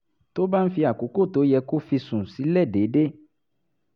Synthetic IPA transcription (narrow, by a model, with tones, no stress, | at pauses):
t̪o˦ba˦n̩˦fi˧a˨ko˨˦ko˦˨t̪o˨˦jɛ˧ko˦fi˧sũ˨si˨˦lɛ˦˨ɖe˨˦ɖe˦